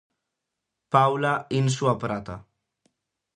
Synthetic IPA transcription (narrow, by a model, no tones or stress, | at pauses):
pawlainsuapɾat̪a